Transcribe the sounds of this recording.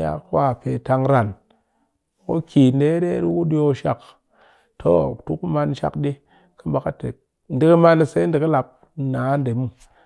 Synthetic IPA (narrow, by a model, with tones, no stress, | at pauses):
ja̰˦kwa˦˨pe˨ta˧ŋɾa˨n˨ | ko˦kʰi˨n˦de˦ɗe˦ɗi˦ku˦ɗo˧ʃa̰˨k | tʰo˦tu˦kma˧n˦ʃa̰˨kɗi˦ | kɨ˦mba˨ka˦te˨ | n̩˦di˦kɨ˦ma˧n˧se˦n̩˦dɨ˨kɨ˦la˨p̚ | naː˨˦n˦de˨mu˦